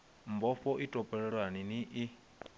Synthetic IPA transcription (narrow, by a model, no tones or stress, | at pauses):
mbɔɸɔʔitʼɔpʼɛɺɛɺwaniniʔi